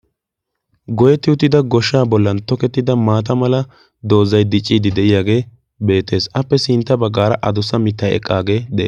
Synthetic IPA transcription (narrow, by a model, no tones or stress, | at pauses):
ɡɔjɛt̪ːɪʊt̪ːɪd̪ɐɡɔʃːaːbɔlːɐnt̪ɔkɛt̪ːɪd̪ɐmaːt̪̬ɐmɐlɐ | d̪o̞ːzɐjd̪ɪt͡ʃʼːiːd̪ɪd̪ɛʔɪjaːɡe̞ː | be̞ːt̪ːe̞ːsʔɐpːɛsɪnt̪ːɐbɐɡːaːɾɐʔɐd̪ʊsɐmɪt̪ːɐjɛ̰kʼːaːɡe̞ːd̪ɛʔeː